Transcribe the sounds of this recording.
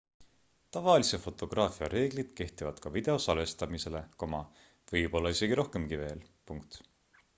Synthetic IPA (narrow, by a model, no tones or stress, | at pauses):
t̪ɑvɑlisefo̞t̪ːˑo̞ɡ̥rɑːfiɑɾe̞ːɡ̥lid̪̥ke̞ht̪ivɑd̪̥kɑvid̪e̞o̞sɑlest̪ɑmise̞le̞komɑ | vɤjpo̞lːɑise̞ɡiɾo̞hke̞mkive̞ːl | puŋk̚t̪